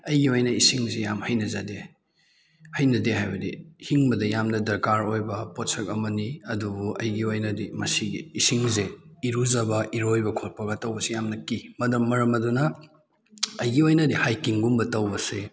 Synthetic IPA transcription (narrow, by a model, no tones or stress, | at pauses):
ɐjɡiojnɐisiŋzejamhɐjnɐzade | hɐjnɐdeɦajbɐdihiŋbɐdɐjamnɐdɐɾkaɾojbɐpotsɐk̚ɐmɐniɐdubuɐ̰jɡiojnɐdimɐsiɡḭːsiŋzeiɾuzabɐiɾojbɐkʰot̚pɐɡɐtɐwbɐsijamnɐkimɐdɐmːɐɾɐmɐdunɐ | jɡiojnɐdihajkiŋɡumbɐtɐwbɐse